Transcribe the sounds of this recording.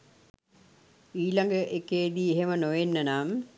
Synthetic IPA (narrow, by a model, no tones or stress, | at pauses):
iːlaŋɡəʔekːeːd̪iːeɦemənoʋenːənaːm